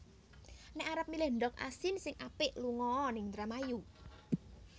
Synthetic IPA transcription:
nɛʔaɾəp̚milɛɳɖɔk̚ʔa̰sɪnsɪŋʔapɪʔluŋɔːnɪŋt̪ɾamaju

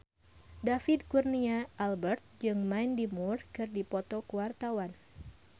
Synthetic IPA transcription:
dafid̪̚kurniaʔalbɛrt̪̚d͡ʒɨŋmajndimurkɨrdipɔt̪ɔkəwart̪awan

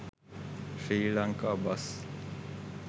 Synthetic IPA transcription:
fiːlaŋkabas

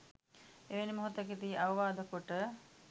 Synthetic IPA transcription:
eʋenimoɦot̪əkit̪iːʔaʋəʋaːd̪əkoʈə

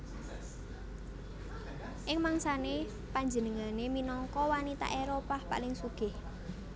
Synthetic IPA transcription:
ʔɪŋmaŋsane | paɲd͡ʒənəŋaneminɔŋkɔwanit̪a̰ʔeɾopahpa̰lɪŋsuɡ̥ɪh

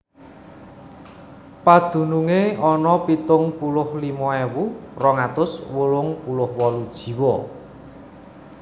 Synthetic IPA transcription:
pad̪̥ṳnuŋeɔnɔpit̪ʊŋpulʊhlimɔewurɔŋat̪ʊswulʊŋpulʊhwɔlud̥ʒ̥i̤wɔ

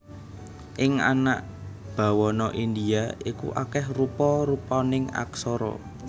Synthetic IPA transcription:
ʔɪŋa̰naʔ | b̥a̤wɔnɔʔind̪iaikṵʔakɛhrupɔɾupɔnɪŋa̰ksɔɾɔ̰

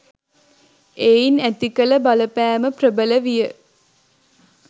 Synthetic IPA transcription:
einæt̪ikələbaləpæːməprəbələʋijə

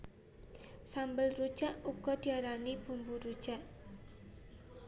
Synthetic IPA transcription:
sambəlrud̥ʒ̥aʔukɔd̪̥iaɾanib̥umbuɾud̥ʒ̥aʔ

